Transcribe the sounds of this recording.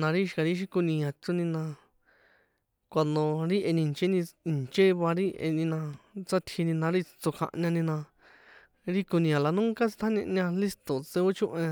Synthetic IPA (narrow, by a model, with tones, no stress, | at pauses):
nã˧ɾi˦ʃka˨˧ɾi˦ʃ̬i˦ku˧nĩ˧ã˨t͡ʃu˧nĩ˧nã˧ | kʷa˧nõ˧ɾi˦ʔe˧nĩ˧˨˧t͡ʃe˦nĩ˧i˨nt͡ʃe˦βa˧ɾi˦ʔḛ˧nĩ˧nã˧t͡sa˦t̪ʰi˧nĩ˧nã˧ɾi˦˧t͡so˧kʰã̰˧ʔɲã˧nĩ˧nã˧ | ɾi˦ku˧nĩ˧ã˨la˧nũ˦ŋka˦t͡si̥˧t̪ʰa˦ɲḛ̃˧ʔɲã˧li˦st̪o˨t͡se˧o˦t͡ʃũ˦ʔẽ˧